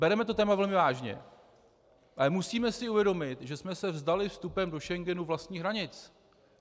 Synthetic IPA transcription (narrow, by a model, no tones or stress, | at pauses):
bɛɾɛmɛt̪o̞t̪ɛːmavɛlmɪvaːʒɲɛ̰ | ʔalɛmusiːmɛsɪuvjɛdo̞mɪt̪ʒɛsmɛsɛvzdalɪfst̪upɛmdo̞ʃɛŋɡɛnuvlast̪ɲiːɦɾaɲɪt͡s